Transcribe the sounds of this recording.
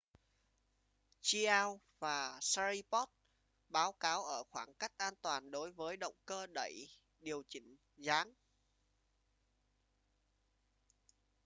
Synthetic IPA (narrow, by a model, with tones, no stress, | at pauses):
t͡ɕi˧ʔaː˧w | vaː˨˩sa˧ɾi˧pɔ˦˥t̚ | ɓaː˨˦wkaː˨˦wʔəː˧˩xwaː˧˩ŋka˦˥jk̟̚ʔaː˧nt̪waː˨˩nɗo˨˦jvəː˨˦jɗə̰˧˨wŋ͡mkəː˧ɗə˧˩j | ɗi˨˩əwt͡ɕï˧˩ŋ̟ | zaː˨˦ŋ